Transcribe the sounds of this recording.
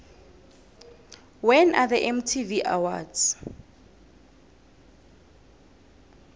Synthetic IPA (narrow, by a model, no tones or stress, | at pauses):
wɛnʔaðəʔɛmtʰiviʔa̰wa̰dz